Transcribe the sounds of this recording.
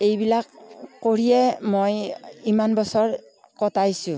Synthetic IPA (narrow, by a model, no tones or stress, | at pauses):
ejbilakːoɹijɛmojimanbɔsɔɹ | kɔtajsũ